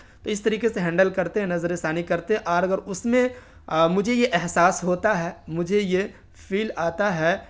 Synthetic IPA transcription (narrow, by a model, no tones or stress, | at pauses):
t̪oɪst̪ɐɾiːkeseɦɛ̃ːɳɖəlkɐɾt̪eɦɛ̃nɐzəɾesaːnikɐɾt̪eɦɛ̃ʔɔːɾɐɡəɾʊsmẽ | mʊd͡ʒʱejeʔɛɦsaːsɦoːt̪aɦɛːmʊd͡ʒʱeje | fiːlaːt̪aɦɛː